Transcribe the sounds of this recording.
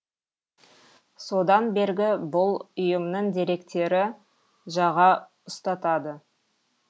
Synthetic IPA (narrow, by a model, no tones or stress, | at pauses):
so̞d̪ɑnbe̞ɾɡʲɪbʊlˠʊjəmnəɴd̪e̞ɾe̞kt̪e̞ɾɪ | ʒɑʁɑ | ʊst̪ɑt̪ɑd̪ə